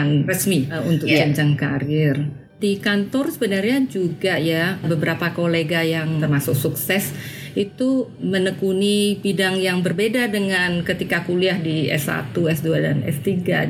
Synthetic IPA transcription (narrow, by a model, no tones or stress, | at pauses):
nrəsmiunt̪ʊk̚d͡ʒaɲt͡ʃaŋkaɾɪr | dikant̪ɔrsəbənarɲad͡ʒuɡajabəbəɾapakoleɡajaŋt̪ərmasʊk̚suksɛsit̪u | mənəkunibidaŋjaŋbərbedadəŋankət̪ikakuliahdiɛ̰sa̰t̪uɛsduadanɛ̰st̪iɡa̰